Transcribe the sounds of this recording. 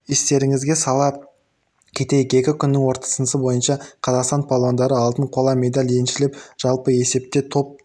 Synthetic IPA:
est̪e̞ɾɪŋɪzɡʲe̞sɑlˠɑp̚ | kʲʰe̞t̪e̞jɪke̞kʲɪkʲʰʏnːɪŋwo̞ɾt̪ɑ̥sənəsəbo̞jənʃɑqʰɑzɑqst̪ɑnpʰolˠond̪ɑɾəɑlˠt̪əɴqʰo̞lˠɑme̞d̪alʲje̞nʃɪlɪpʒ̥ɑlˠpəe̞se̞p̚t̪e̞t̪ʰo̞p̚

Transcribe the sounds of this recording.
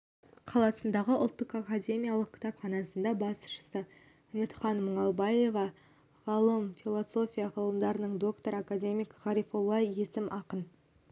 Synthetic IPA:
qʰɑlˠɑsənd̪ɑʁəʔʊ̰lˠt̪ːəqakad̪ʲe̞mʲijalˠəq̚kʰʲɪ̥t̪ɑpχɑnɑsənd̪ɑbɑsʃə̥sə | ʏmɪt̪χɑnmʊɴɑlˠbɑje̞vɑ | ʁɑlˠəmfilˠoso̞fʲijɑʁɑlˠəmd̪ɑɾənəɴd̪o̞kt̪o̞ɾakad̪ʲe̞mijkʁ̥ɑɾijfolˠːɑje̞sɪmʔɑqən

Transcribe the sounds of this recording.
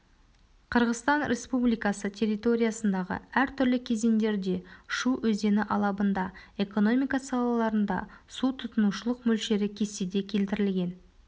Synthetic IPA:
qʰəɾʁəzt̪ɑnɾʲʔe̞spublijkɑsət̪ʲʰe̞ɾit̪o̞ɾʲijasənd̪ɑʁə̰æɾt̪ʰʏɾlɪkʲʰe̞ze̞nd̪e̞ɾd̪e̞ʃuʔɵzd̪e̞nɪʔɑlˠɑbənd̪ɑe̞ko̞no̞mijkɑsɑlˠɑlˠɑɾənd̪ɑ̰sut̪ʰʊt̪ənuʃəlˠəqmɵlʃe̞ɾɪkʲʰe̞sed̪e̞kʲʰe̞lt̪ɪɾɪlɡʲe̞n

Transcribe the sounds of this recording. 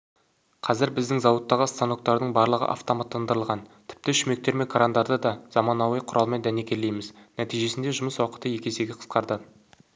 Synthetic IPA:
qʰɑzɪɾbɪzd̪ɪŋzɑwət̪ːɑʁəst̪anok̚t̪ɑɾd̪əɴbɑɾlˠəʁə̰ʔa̰ft̪omat̪ːɑnd̪əɾəlˠʁɑnt̪ʰɪ̥p̚t̪ɪʃʏme̞k̚t̪e̞ɾme̞kʰaɾand̪ɑɾd̪əd̪ɑz̥ɑmɑnɑwəjqʰʊɾʔɑlˠmend̪æne̞kʲe̞lːe̞jmɪznæt̪ijʒe̞sɪnd̪eʒʊməswɑqə̥t̪əje̞kʲe̞se̞ɡʲɪqʰə̥sqɑɾd̪ə

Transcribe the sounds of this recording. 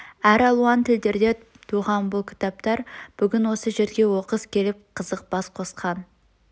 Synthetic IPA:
æɾɑlˠuɑnt̪ʰɪld̪e̞ɾd̪e̞ | t̪ʰuʁɑnbʊlˠkʲʰɪ̥t̪ɑp̚t̪ɑɾb̥ʏɡʲɪnwo̞səʒe̞ɾɡʲe̞wo̞qəzkʲʰe̞lɪp̚qʰəzəq̚b̥ɑsqʰo̞sqʰɑn

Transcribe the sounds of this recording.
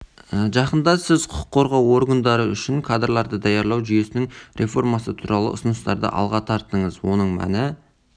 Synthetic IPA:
əʒɑqənd̪ɑsɪzqʰʊʊ̥qʰːo̞ɾʁɑwo̞ɾɡand̪ɑɾəʏʃɪŋkʰad̪rlˠɑɾd̪əd̪ɑjɑɾlˠɑwʒʏje̞sɪnɪŋɾʲʔe̞fo̞rmɑsət̪ʰuɾʔɑlˠə̰ʊ̰sənəst̪ɑ̰ɾd̪ə̰ʔɑ̰lˠʁɑt̪ʰɑɾt̪ːəɴəzwo̞nəɴmæ̰nɪ

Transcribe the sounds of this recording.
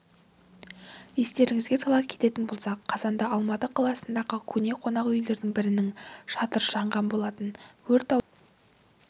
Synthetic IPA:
je̞st̪e̞ɾɪŋɪzɡʲe̞t̪ʰɑlˠɑp̚kʲʰe̞t̪e̞t̪ɪnbo̞lˠsɑqqʰːɑzɑnd̪ɑɑlˠmɑt̪əqʰɑlˠɑsənd̪ɑʁəkʲʰɵne̞qʰo̞nɑqʏjle̞ɾd̪ɪŋbɪɾɪnɪŋʃɑt̪əɾʒɑɴʁɑnbo̞lˠɑt̪ənwɵɾt̪ɑ

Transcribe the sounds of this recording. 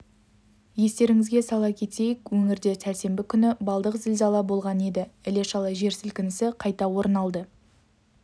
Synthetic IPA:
je̞st̪e̞ɾɪŋɪzɡʲe̞sɑlˠɑkʲʰe̞t̪e̞jekwɵŋɪɾd̪e̞sælse̞mbɪkʲʰʏnɪbɑlˠd̪əqzɪlzɑlˠɑbo̞lˠʁɑne̞d̪ɪɪle̞ʃɑlˠɑʒe̞ɾsɪlkʲɪnɪsɪqʰɑjt̪ɑwo̞ɾnɑlˠd̪ə

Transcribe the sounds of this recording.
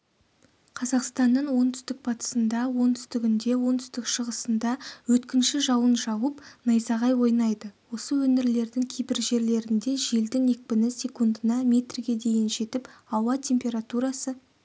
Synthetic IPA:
qʰɑzɑqst̪ɑnːəɴwo̞nt̪ʰʏ̥st̪ɪk̚bʰɑt̪ə̥sənd̪ɑwo̞nt̪ʰʏst̪ɪɡʲɪnd̪e̞wo̞nt̪ʰʏ̥st̪ɪkʃəʁəsənd̪ɑwɵt̪kʲɪnʃɪʒɑwənʒɑwəpnɑjsɑʁɑjwo̞jnɑjd̪əwo̞səwɵnɪɾle̞ɾd̪ɪŋkʲʰejbɪɾʒe̞ɾle̞ɾɪnd̪e̞ʒe̞ld̪ɪŋe̞k̚pɪnɪsʲe̞kund̪ənɑmʲe̞t̪rɪɡʲe̞d̪e̞jɪnʒe̞t̪ɪpɑwɑt̪ʲʰe̞mpʲe̞ɾat̪uɾɑsə

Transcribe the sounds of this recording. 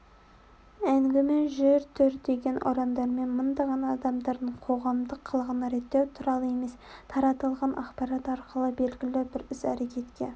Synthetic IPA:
æŋɡʲɪmeʒeɾt̪ʰʏɾd̪e̞ɡʲe̞nʔo̰ɾɑmd̪ɑɾme̞nmənd̪ɑʁɑnːd̪ɑmd̪ɑɾd̪əɴqʰo̞ʁɑmd̪əqʰːəlˠəʁənɑɾe̞t̪ːewt̪ʰʊɾɑlˠəe̞me̞st̪ʰɑɾɑt̪əlˠʁɑnʔɑ̰qpɑɾɑt̪ɑɾqəlˠəbe̞lɡʲɪlɪbɪɾɪsæɾe̞kʲe̞t̪kʲe

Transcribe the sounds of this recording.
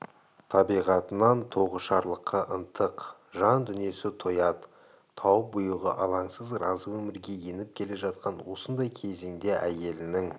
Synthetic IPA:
t̪ʰɑbijʁɑt̪ənɑnt̪ʰo̞ʁəʃɑɾlˠəqʰːɑʔənt̪ʰəq | ʒɑnd̪ʏnie̞sɪt̪ʰojɑt̪ʰː | ɑwp̚bʊjəʁə̰ʔɑlˠɑŋsəzrɑzəwɵmɪɾɡʲe̞je̞nɪp̚kʲʰe̞le̞ʒɑt̪̚qɑnwo̞sənd̪ɑjkʲʰe̞zeŋd̪e̞ʔæje̞lɪnɪŋ

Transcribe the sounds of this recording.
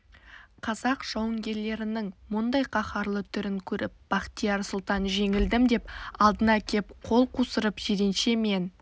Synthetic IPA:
qʰɑzɑqʒ̥ɑwəŋɡʲe̞ɾle̞ɾɪnɪŋmʊnd̪ɑjqʰɑχɑɾlˠət̪ʰʏɾɪŋkʲʰɵɾɪ̰p̚b̥ɑχt̪ijɑɾsʊlˠt̪ɑnʒe̞ŋɪld̪ɪmd̪e̞p̚ɑlˠd̪ənɑkʲʰe̞p̚qʰo̞lˠqʰusəɾəpʒ̥ed̪e̞nʃe̞me̞n

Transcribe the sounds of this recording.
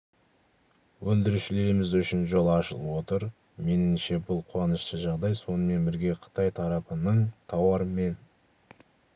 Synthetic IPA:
wɵnd̪ɪɾuʃɪle̞ɾɪmɪzʏʃɪnʒo̞lˠɑʃə̰lˠwo̞t̪əɾ | me̞nɪmʃe̞bʊlˠqʰuɑnəʃt̪əʒɑʁd̪ɑjso̞nəme̞nbɪɾɡʲe̞qʰə̥t̪ɑjt̪ʰɑɾɑpənəɴt̪ʰɑwɑɾəme̞n

